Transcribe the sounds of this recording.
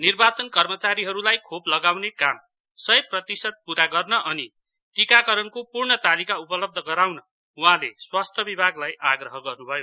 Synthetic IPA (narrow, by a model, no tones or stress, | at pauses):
nirbat͡sʌnkʌrmʌt͡saɾiɦʌɾulajkʰoplʌɡawnekam | sʌjprʌt̪isʌd̪̚puɾaɡʌrnʌʔʌni | ʈikakʌɾʌnkopurɳʌt̪alikaupʌlʌb̚d̪ʱʌɡʌɾawnʌ | uɦãleswast̪ʰʌbibʱaɡlajʔaɡrʌɦʌɡʌrnubʱʌjo